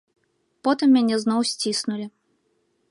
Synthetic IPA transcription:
pɔt̪ɨmːʲanʲɛznɔwsʲt͡sʲisnulʲi

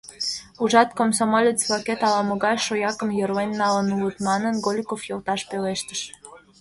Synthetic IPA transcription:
uʒɑt̪komsomolʲet͡sβɑket̪ɑlɑmə̆ɣɑjʃojɑkə̆mjəɾlenʲːɑlənulət̪mɑnənɡolʲkofjolt̪ɑʃpeleʃt̪əʃ

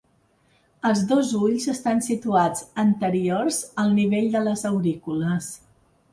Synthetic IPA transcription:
əlˠzðozuʎzəst̪ansit̪uad͡zənt̪əɾiorzəlˠniβ̞eʎd̪ələzəwɾikuləs

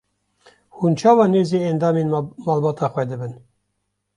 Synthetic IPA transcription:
hunt͡ʃʰɑːwɑːneːzeːɛnd̪ɑːmeːnmɑːlbɑːt̪ʰɑːxwɛd̪ɨbɨn

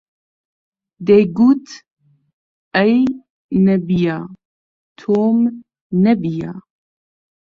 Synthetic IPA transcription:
d̪ejɡut̪ | ɛj | nɛbijaː | t̪ʰoːm | nɛbija

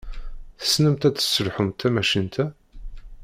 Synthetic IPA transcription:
θə̥snəmt̪æt͡sːə̥sːəlħʊmt̪ʰːæmæʃint̪ʰæ

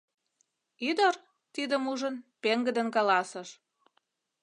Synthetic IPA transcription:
yd̪ər | t̪id̪əmuʒənpeŋɡə̆d̪ə̆nkɑlɑsəʃ

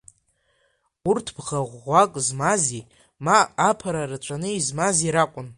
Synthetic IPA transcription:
urtʰbʁaʁʷːakʼzmazi | maːpʰaɾarɨt͡ʃʷʼʰanɨizmaziɾakʷʼʊn

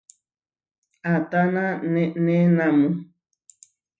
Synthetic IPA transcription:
at̪anãnɛnɛ̃nãmũ

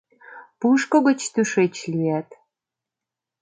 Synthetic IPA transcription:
puʃkŏɣə̆t͡ɕt̪yʃet͡ɕliæt̪

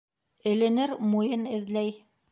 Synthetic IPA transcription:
ɘ̆lɘ̆nɘɾmujɤnɘ̆ðlæj

